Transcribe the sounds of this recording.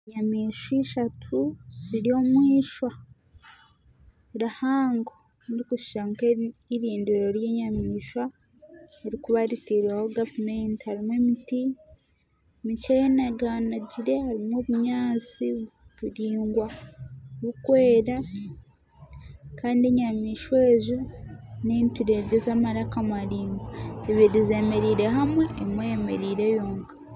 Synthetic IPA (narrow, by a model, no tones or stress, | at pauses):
ɲamiːʃiʃatʰuziɾio̞mwiːʃwa | ɾahaːŋɡo | ɾikuʃi̥ʃaŋkeiɾiːndiɾo̞ɾjeɲamiːʃwa | eɾikuβaɾiteɾiahoɡavumentihaɾimwemiti | micejenaɡaːnaɟiɾe̞haɾimwoβuɲaːt͡siβuɾiːŋɡwa | βukwe̞ːɾa | kaːndeɲamiːʃweːʒuneːntuɾe̞ɟezamaɾakamaɾiːŋɡaeβiɾize̞me̞ɾiːɾe̞ɦamwe̞ːmwejeme̞̰ɾiːɾe̞joːŋkḁ